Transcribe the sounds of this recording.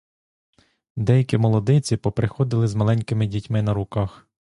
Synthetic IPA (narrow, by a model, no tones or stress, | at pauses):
d̪ɛjɐkʲimɔlˠɔd̪ɪt͡sʲipɔpɾɪxɔd̪ɪlˠɪzmɐlˠɛnʲkɪmɪdʲitʲmɪnɐɾʊkɑx